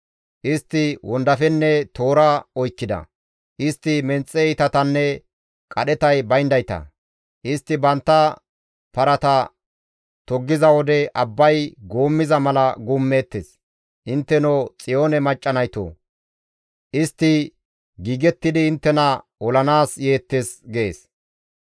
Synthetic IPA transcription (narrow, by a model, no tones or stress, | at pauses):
ʔɪst̪ːɪwɔnd̪ɐfɛnːɛt̪o̞ːɾɐɔjkːɪd̪ɐ̰ | ʔɪst̪ːɪmɛnt͡sʼːɛɪt̪ɐt̪ɐnːɛ | kʼɐɗɛt̪ɐjbɐjnd̪ɐjt̪ɐ̰ | ʔɪst̪ːɪbɐnt̪ːɐ | pɐɾɐt̪ɐ | t̪ɔɡːɪzɐwɔd̪ɛʔɐbːɐjɡo̞ːmːɪzɐmɐlɐɡumːe̞ːt̪ːes | ʔɪnt̪ːɛnot͡sʼɪjoːnɛmɐt͡ʃʼːɐnɐjt̪o̰ː | ʔɪst̪ːɪ | ɡiːɡɛt̪ːɪd̪ɪːnt̪ːɛnɐ | ɔlɐnaːsje̞ːt̪ːesɡeːs